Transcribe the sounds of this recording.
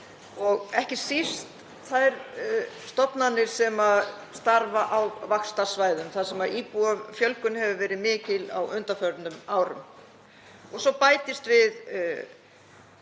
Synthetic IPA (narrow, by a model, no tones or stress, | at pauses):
ɔɣɛhcɪ̥sist̪ | θajɾst̪ɔpnanːɪɾ̥sɛma | st̪aɾvaʔawvakst̪asvaːjðʏmθaðsɛmaðiːpuafjœlkʏnhɛvʏvɛːɾɪðmɪːcɪla̰wʏnt̪afœɾt̪nʏmaːwɾʏ̰m | ɔɣsɔpaːjt̪ɪst̪vɪð